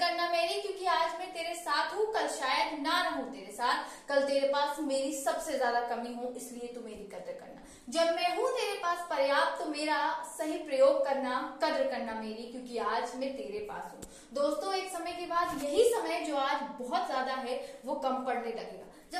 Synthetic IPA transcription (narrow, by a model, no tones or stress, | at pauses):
kɐɾnamɛ̃ːɾĩkjõːkiaːd͡ʒmẽt̪eːɾesaːt̪ʰɦũkɐlʃaːjəd̪naɾɐɦũt̪eːɾesaːt̪ʰkɐlt̪eːɾepaːsɦũmeːɾisɐbsezjaːd̪akɐmiɦũɪsliet̪umeːɾikɐd̪ɾkɐ̰ɾna̰ | d͡ʒɐbmɛ̃ːɦũt̪eːɾepaːspɐɾjaːp̚t̪ːomeːɾasɐɦipɾɐjoːɡ̚kɐɾnakɐd̪ɾəkɐɾnameːɾikjõːkiaːd͡ʒmẽt̪eːɾepa̰ːsɦũ | d̪oːst̪õeːksɐməjkebaːd̪jɐɦisɐməjd͡ʒoːaːd͡ʒbɔɦɔt̪zjaːd̪aɦɛʋokɐmpɐɽnelɐɡḛːɡa̰ː | d͡ʒɐ